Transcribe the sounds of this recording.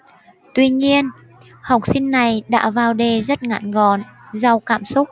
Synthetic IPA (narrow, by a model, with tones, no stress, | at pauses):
t̪wi˧ɲi˧ən | ha˨˩wk͡p̚si˧nːa˨˩jɗa̰ː˧˥vaː˨˩wɗe˨˩zə˦˥t̚ŋa̰ː˧˨nɣɔ˨˩nza˧˩wkaː˧˩msʊ˦˥k͡p̚